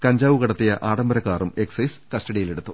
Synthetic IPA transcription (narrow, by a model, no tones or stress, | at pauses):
kɐɲd͡ʑaːʋuɣɐɽɐt̪ːijɐʔaːɽɐmbɐɾɐkːaːrume̞ksɐjskɐsʈɐɽijile̞ɽut̪ːu